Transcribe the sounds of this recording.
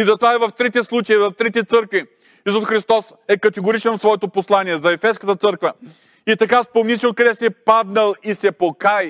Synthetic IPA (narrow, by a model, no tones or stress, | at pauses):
izɐt̪ovaɛvɐft̪ɾit̪ɛslˠut͡ʃəizɐt̪ɾɛt̪̬ɛt̪sɤɾkvi | isusxɾist̪ɔs | ɛkɐt̪ɛɡoɾit͡ʃɛnfsvɔɛt̪oposlˠaniɛzɐɛfɛskət̪ət̪sɤɾkvə | it̪ɐkaspomnʲisiot̪̚kɐd̪ɛsiɛpad̪nɐlˠisɛpokai